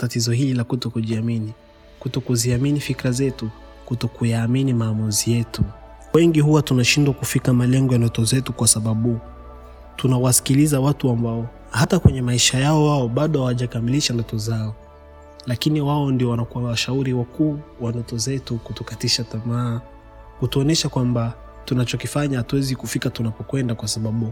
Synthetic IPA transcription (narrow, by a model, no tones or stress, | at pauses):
tatizɔɦililakutɔkuʄiamini | kutɔkuziaminifikɾazɛtu | kutɔkujaːminimaːmuzijɛtu | wɛŋɡihuwatunaʃindwakufikamalɛŋɡɔjandɔtɔzɛtukwasaɓaɓu | tunawasi̥kilizawatuambaɔ | hatakwɛɲɛmaiʃajaɔwaɔɓaɗɔhawaʄakamiliʃandɔtɔzaɔ | lakiniwaɔndiɔwanakuwawaʃauɾiwakuːwandɔtɔzɛtukutukatiʃatamaː | kutuɔnɛʃakwamba | tunat͡ʃɔkifaɲahatuwɛzikufikatunapɔkwɛndakwasaɓaɓu